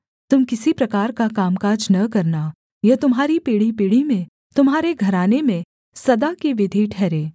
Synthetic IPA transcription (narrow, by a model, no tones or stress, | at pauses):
t̪ʊmkɪsipɾɐkaːɾkakaːmkaːd͡ʒnɐkɐɾna | jɐt̪ʊmɦaːɾipiːɽipiːɽimẽ | t̪ʊmɦaːɾeɡʱɐɾaːnemẽ | sɐd̪akiʋɪd̪ʱiʈʰɛːɾeː